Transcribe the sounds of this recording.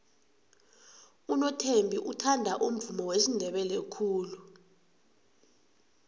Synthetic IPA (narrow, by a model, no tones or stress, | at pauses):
unɔtʰembʱiʔutʰandʱaʔum̩vumɔwesindʱɛɓɛlekʰuːlu